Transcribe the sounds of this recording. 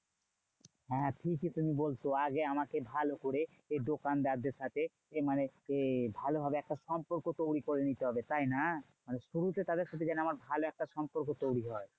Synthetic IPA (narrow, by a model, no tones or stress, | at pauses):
ɦɛ̃ʈʰikit̪umibolt̪oaɡeamakebʱalokoɾe | eɖokand̪aɾd̪eɾʃat̪ʰe | emaneebʱalobʱabeɛk̚ʈaʃɔmpoɾkot̪owɾikoɾenit̪eɦɔbet̪ajna | maneʃuɾut̪et̪ad̪eɾʃat̪ʰed͡ʑanoamaɾbʱaloɛk̚ʈaʃɔmpoɾkot̪owɾiɦɔe